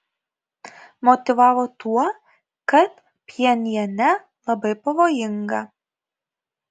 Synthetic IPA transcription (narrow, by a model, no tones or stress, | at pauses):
mɔt̪ʲɪʋɑːʋoːt̪uɔ | kɐt̪ | pʲɛnʲiɛnʲɛ | lˠɐbɐɪpɐʋoːjɪŋɡɐ